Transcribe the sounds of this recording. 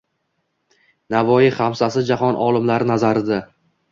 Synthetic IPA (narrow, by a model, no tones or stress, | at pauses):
navɒjiχamsasɪd͡ʒahɒnʔɒlɪmlaɾɪnazaɾɪd̪a